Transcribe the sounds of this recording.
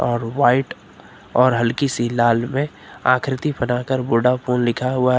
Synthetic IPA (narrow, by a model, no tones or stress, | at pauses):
ɔːɾwaːɪʈ | ɔːɾɦəlkisilaːlmẽ | a̰ːkʰɾɪt̪ipənaːkəɾboːɖapoːnlɪkʰaɦʊa